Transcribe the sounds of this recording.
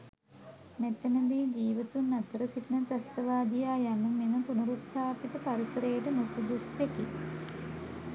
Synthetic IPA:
met̪ːenɐd̪iːd͡ʒiːʋɐt̪unːɐt̪ːəɾəsiʈinɐt̪ɐst̪ɐʋaːd̪ijaːjanːumenəpunuɾut̪ːaːpit̪əpaɾisɐɾejəʈənosud̪usekḭ

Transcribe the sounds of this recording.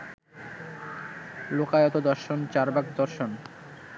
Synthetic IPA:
lokajɔt̪od̪ɔɾʃont͡ɕaɾbaɡd̪ɔɾʃon

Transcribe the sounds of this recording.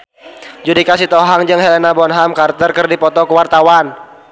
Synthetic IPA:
d͡ʒudikasit̪ɔɦaŋd͡ʒɨŋɦɛlenabɔnɦamkart̪ərkərdipɔt̪ɔkəwart̪awan

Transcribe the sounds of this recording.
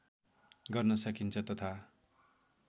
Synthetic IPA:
ɡʌrnʌsʌkʰint͡sʰʌt̪ʌt̪ʰa

